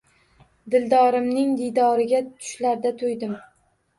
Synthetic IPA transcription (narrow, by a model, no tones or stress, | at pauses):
d̪ɪld̪ɒɾɪmnɪŋd̪ijd̪ɒɾɪɡʲat̪ʰʊ̥ʃlaɾd̪at̪ʰʊjd̪ɪm